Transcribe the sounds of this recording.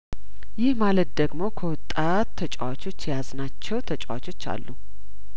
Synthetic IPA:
jɪhmalət̪̚d̪əɡmo̞kʰəwɔt̪ʼːat̪ːʰət͡ʃʼawat͡ʃʰo̞t͡ʃːjaznat͡ʃːɛwt̪ʰət͡ʃʼawa̰t͡ʃo̞t͡ʃːa̰lːu

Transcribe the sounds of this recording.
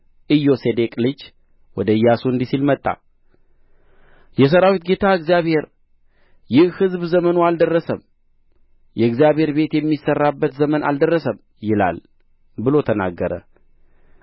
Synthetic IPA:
ʔɨjːo̞sed̪ekʼlɨd͡ʒ | wɔd̪əɨjːasuɨnd̪isilmət̪ʼːa̰ | jɛs̬əɾawit̪ɡe̞t̪ʰaɨɡzijaβhe̞ɾ | jɪhhɨzbzəmənoald̪ərːəsəm | jɛɨɡzjaβhe̞ɾbe̞t̪jɛmːisərːabːət̪zəmənʔa̰ld̪ərːəsəm | jɪla̰l | bɨlo̞t̪ʰəna̰ɡːəɾə̰

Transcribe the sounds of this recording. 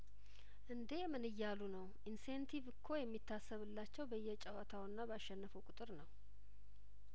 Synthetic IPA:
ʔɨnd̪emɨnɨjːalunəwʔinsent̪ʰivɨkʰːo̞jɛmːit̪ʰːasːəβɨlːat͡ʃːɛwbəɨjːɛt͡ʃʼɛwat̪ʰawɨnːabəaʃːɛnːəfukʼʊt̪ʼɨɾnəw

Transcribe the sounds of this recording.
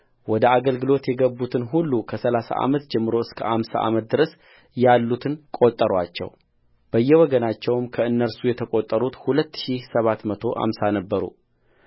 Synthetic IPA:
wɔd̪əaɡəlɡɨlo̞t̪jɛɡəbːut̪ʰɨnɦulːukʰəsəlasa̰ʔa̰mət̪d͡ʒɛmːɨɾo̞ɨskʰəʔamsa̰ʔa̰mət̪̚d̪ɨɾəs | jalːut̪ʰɨnkʼo̞t̪ʼːəɾwat͡ʃːɛ̰w | b̥əjːɛwɔɡənat͡ʃːɛwmkʰəɨnːəɾsujɛt̪ʰəkʼot̪ʼːəɾut̪hulət̪ːʃisəβat̪mət̪ʰo̞ʔa̰msanəbːəɾṵ

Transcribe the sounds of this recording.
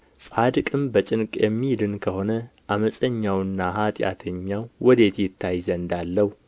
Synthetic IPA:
sʼad̪ɨkʼɨmbət͡ʃʼɪnkʼjɛmːid̪ɨnkʰəho̞nəʔaməsʼəɲːawɨnːahat̪ʼja̰t̪ʰəɲːawwɔd̪e̞t̪jɪt̪ʰːajzənd̪alːəhu

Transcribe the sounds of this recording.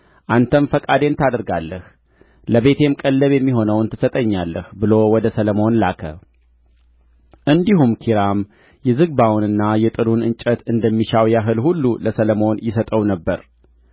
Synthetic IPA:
ʔant̪ʰəmfəkʼad̪e̞nt̪ʰad̪əɾɡalːəh | ləβe̞t̪ʰe̞mkʼəlːəβjɛmːiɦo̞nəwnt̪ʰɨ̥sət̪ʼəɲːalːəhbɨlo̞wɔd̪əsələmo̞nlakʰə̰ | ʔɨnd̪ihumkʰiɾam | jɛzɨɡbawnɨnːajɛt̪ʼɨɾunɨnt͡ʃʼət̪ɨnd̪əmːiʃawjaɦɨlhulːuləsələmo̞njɪsət̪ʼəwnəbːəɾ

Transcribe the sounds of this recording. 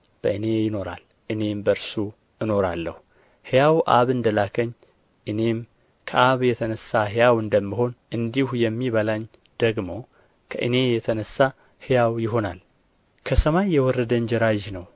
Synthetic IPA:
b̥əʔɨne̞jɪno̞ɾa̰l | ʔɨne̞mbəɾsu | ɨno̞ɾa̰lːəhu | hɨjawʔa̰βɨnd̪əlakʰəɲː | ʔɨne̞m | kʰəʔaβjɛt̪ʰənəsːaɦɨjawɨnd̪əmːiɦo̞nʔɨnd̪ihujɛmːiβəlaɲː | d̪̥əɡmo̞ | kʰəʔɨne̞jɛt̪ʰənəsːa | hɨjawjɪɦo̞nal | kʰəsəmajːɛwɔɾːəd̪əɲd͡ʒɛɾaʒnəw

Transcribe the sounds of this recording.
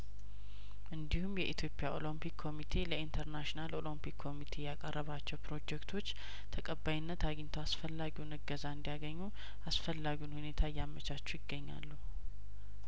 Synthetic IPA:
ʔɨnd̪ihumjɛʔit̪ʰjo̞pʼɪjaʔo̞̰lompʰikʰːo̞mit̪ʰe̞ləint̪ʰəɾnaʃinalo̞lompikʰːo̞mit̪ʰe̞jakʼərːəβat͡ʃːɛwpɾo̞d͡ʒɛkt̪ʰo̞t͡ʃː | t̪ʰəkʼəbːajɪnːət̪aɡɪnt̪ʰoasfəlːaɡiwnɨɡəzaɨnd̪ijaɡəɲːu | asfəlːaɡiwunhune̞t̪ʰajːamət͡ʃat͡ʃːujɪɡːəɲːa̰lːu

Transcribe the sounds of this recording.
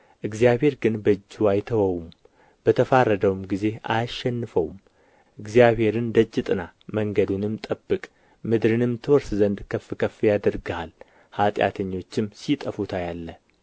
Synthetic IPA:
ʔɨɡzjaβhe̞ɾɡɨnbəd͡ʒːuwajt̪ʰəwəwum | b̥ət̪ʰəfarːəd̪əwumɡize̞a̰ʃːɛnːɨfəwm | ʔɨɡzijaβhe̞ɾɨnd̪əd͡ʒːɪt̪ʼɨnaməŋɡəd̪unɨmt̪ʼəbːɨkʼ | mɨd̪ɾɨnɨmt̪ʰɨwɔɾszənd̪kʰəfkʰəfijad̪əɾɡhal | hat̪ʼja̰t̪ʰəɲːo̞t͡ʃːɪmsit̪ʼəfut̪ʰajalːə

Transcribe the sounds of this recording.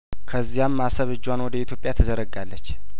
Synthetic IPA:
kʰəzːijamːasəβɨd͡ʒːwanwɔd̪əit̪ʰjo̞pʼjat̪ʰəzəɾəɡalːət͡ʃː

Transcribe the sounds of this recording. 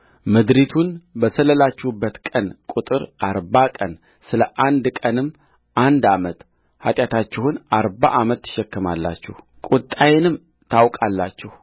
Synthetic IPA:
mɨd̪ɾit̪ʰunbəsələlat͡ʃːɛhubːət̪kʼənkʼut̪ʼɨɾʔaɾbakʼən | sɨləʔand̪kʼənɨmː | ʔand̪amət̪ | hat̪ʼjat̪ʰat͡ʃːɛhunaɾba̰ʔamət̪ːɨ̥ʃɛkːɨma̰lːa̰t͡ʃːɛh | kʼut̪ʼːajɪnɨm | t̪ʰawkʼalːat͡ʃːɛh

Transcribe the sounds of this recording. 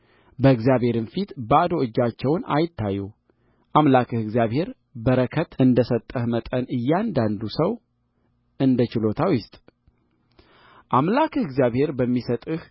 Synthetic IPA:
bəɨɡzjaβhe̞ɾɨnfit̪bəad̪o̞ɨd͡ʒːat͡ʃːɛwna̰jɪt̪ʰːajːu | ʔamlakʰɨhɨɡzijaβhe̞ɾ | bəɾəkʰət̪ɨnd̪əsət̪ʼːəhmət̪ʼənɨjːand̪and̪usəw | ɨnd̪ət͡ʃɪlo̞t̪ʰawjɪst̪ʼ | ʔamlakʰɨhɨɡzjaβhe̞ɾbəmːisət̪ʼɨh

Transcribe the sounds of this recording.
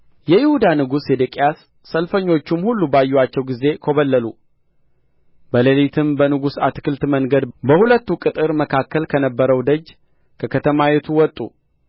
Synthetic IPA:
jɛjɪhud̪anɨɡused̪ekʼjasː | əlfəɲːo̞t͡ʃːumhulːubajːuwat͡ʃːɛwɡize̞kʰo̞βəlːəlu | bəlelit̪ʰɨmbənɨɡusat̪kʰɨlt̪məŋɡəd̪bəhulət̪ːukʼɨt̪ʼɨɾməkʰakːəlkʰənəbːəɾəwd̪əd͡ʒː | kʰəkʰət̪ʰəmawet̪ʰuwɔt̪ʼːu

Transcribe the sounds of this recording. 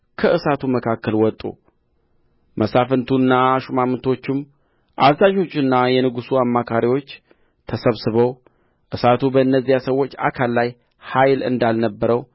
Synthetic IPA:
kʰəʔɨsat̪ʰuməkʰakːəlwɔt̪ʼːṵ | mʔəsafɨnt̪ʰunːaʃumamɨnt̪ʰo̞t͡ʃːɪm | ʔazaʒo̞t͡ʃːɨnːajɛnɨɡusuamːakʰaɾiwo̞t͡ʃː | t̪ʰəsəβsɨβəw | ʔɨsat̪ʰubəɨnːəzːijasəwːo̞t͡ʃːa̰kʰalːaj | hajlɨ̰nd̪alnəbːəɾəw

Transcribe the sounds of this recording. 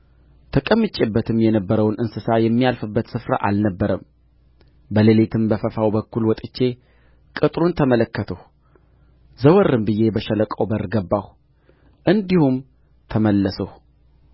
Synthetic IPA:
t̪ʰəkʼəmːɨt͡ʃʼːebːət̪ʰɨmjɛnəbːəɾəwnʔɨnsɨsajɛmːijalfɨbːət̪sɨfɾa̰ʔa̰lnəbːəɾəm | bəlelet̪ʰɨmbəfəfawbəkːulwɔt̪ʼɨt͡ʃːe̞ | kʼɨt̪ʼɾunt̪ʰəmələkːət̪ʰəh | zəwɔrːɨmbɨjːe̞bəʃələkʼowbərɡəbːah | ʔɨnd̪ihum | t̪ʰəməlːəsəh

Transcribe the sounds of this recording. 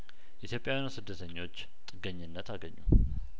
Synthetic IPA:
ʔit̪jo̞pʼjawinusɨd̪ːət̪ʰəɲːo̞t͡ʃː | t̪ʼɨɡəɲːɪnːət̪ʰaɡəɲːṵ

